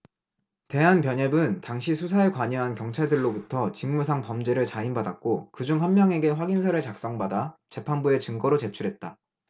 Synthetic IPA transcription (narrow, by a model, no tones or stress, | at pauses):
te̞ɦanpjʌɲebɯntaŋɕʰisʰus̬ʰaekwaɲʌɦankjʌŋt͡ɕʰaɭdɯɭːobutʰʌt͡ɕiŋmus̬ʰaŋpʌmd͡ʑe̞ɾɯɭt͡ɕainbadak̚k͈okɯd͡ʑuŋɸanmjʌŋe̞ɡe̞ɸwaɡinsʰaɾɯɭt͡ɕak̚s͈ʌŋbadat͡ɕe̞pʰanbue̞t͡ɕɯŋɡʌɾot͡ɕe̞t͡ɕʰuɾɦe̞t̚t͈a